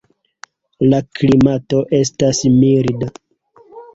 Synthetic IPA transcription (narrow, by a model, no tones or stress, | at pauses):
laklimato̞ʔe̞stasmiɾda